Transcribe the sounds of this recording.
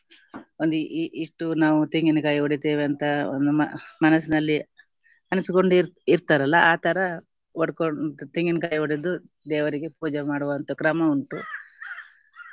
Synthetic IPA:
ond̪uʔiʂʈunaːʋut̪eŋɡinukaːjoɽit̪eːʋeɐnt̪ɐo̰nd̪umɐmɐnɐsinɐlːi | ɐnusiko̞ɳɖiɾt̪aːɾɐlːɐʔaːt̪ɐɾɐ | oɽkot̪eŋɡinukaːjoɽid̪u | d̪ɛːʋɐɾiɡepuːd͡ʒɐmaːɽuʋɐnt̪okɾɐmɐuɳʈṵ

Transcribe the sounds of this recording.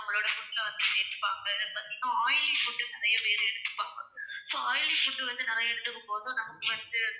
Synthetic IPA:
nɐmːɐloːɽɐfʊʈːɪlɐʋɐnd̪ɯneɾɯpːaːŋɡɐðpɐnːinːaaːjɪlifʊʈːɯnɪɾɐjɐpeːɾɯɛɽɯk̪ːɯ̥pːaːŋɡɐsoːaːjɪlifʊʈːɯʋɐnd̪ɯnɪɾɐjɐɛɽɯt̪ːɯkːɯmpoːðõːnɐmɐkːɯʋɐnd̪ɯ

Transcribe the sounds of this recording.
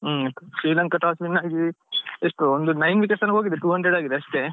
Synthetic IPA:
ɐt̪ːɐʃiːlɐŋkɐʈaːsminːaːɡiɡieʂʈuond̪unɐjnʋikɐʈsɐnːɡɦoːɡid̪eʈuːɦɐɳɖɾeɖaːɡid̪eɐʂʈe

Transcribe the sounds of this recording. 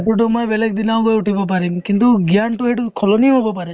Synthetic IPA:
ʈuʈ̬umɔjbelek̚d̪inawbojuʈibɔp̬aɾimkint̪uɡijaɳʈuɦeʈukʰɔloniɦobɔpaɾe

